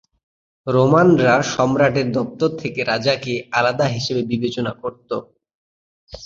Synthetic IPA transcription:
ɾomanɾaʃɔmɾaʈeɾd̪ɔp̚t̪oɾt̪ʰekeɾad͡ʑakealad̪aɦiʃebebibet͡ɕonakoɾt̪o

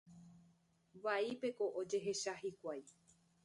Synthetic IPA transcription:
ʋaipe̞ko̞ʔod͡ʒe̞ɦe̞ʃahikʷaj

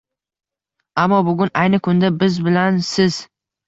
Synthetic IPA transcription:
amːɒbʊɡʲʊnajnɪkʰʊnd̪abɪzbɪlansɪz̥

